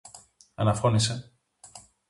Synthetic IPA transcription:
ɐnɐfo̞nise̞

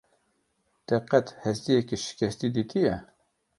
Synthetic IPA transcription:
d̪̥ɛqɛt̪hɛst̪ijɛkiʃɪ̥kʲɛst̪id̪iːt̪ʰijɛ

